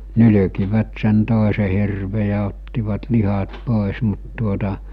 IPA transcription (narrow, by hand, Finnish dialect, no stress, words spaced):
nyly̝kiʋæt sen toˑese hirʋe jɑ otːiʋɑt lihɑt poˑes mut tuotɑ